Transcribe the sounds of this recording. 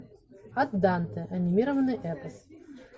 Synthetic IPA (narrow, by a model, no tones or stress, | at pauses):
ɐt̪d̪ant̪ɨʔɐnʲimʲiɾəvɐnɨjʔɛpəs